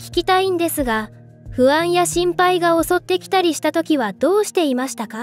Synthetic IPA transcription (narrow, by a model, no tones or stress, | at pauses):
kʲi̥kʲit̪aĩnd̪e̞sɨɡa | ɸɯ̟βãɰ̃jaɕĩmpaiɡao̞so̞t̪ːe̞kʲi̥t̪aɾʲiɕi̥t̪at̪o̞kʲiβad̪̥o̞ːɕi̥t̪e̞imaɕi̥t̪aka